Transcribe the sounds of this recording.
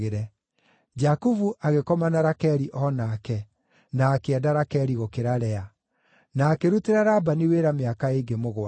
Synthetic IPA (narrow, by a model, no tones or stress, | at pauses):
eɾɛ | d͡ʒakuvuʔaɣekɔmanaɾakɛɾiʔɔnakɛ | naːkeɛdaɾakɛɾiɣokeɾaɾɛa | naːkeɾuteɾaɾabaniweɾameakaeɡemoɣwa